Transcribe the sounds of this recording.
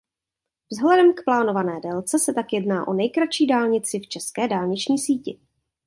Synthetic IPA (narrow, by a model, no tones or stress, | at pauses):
vzɦlɛdɛmkplaːnovanɛːdɛlt͡sɛsɛt̪akjɛdnaːʔo̞nɛjkɾat͡ʃiːdaːlɲɪt͡sɪft͡ʃɛskɛːdaːlɲɪt͡ʃɲiːsiːcɪ̰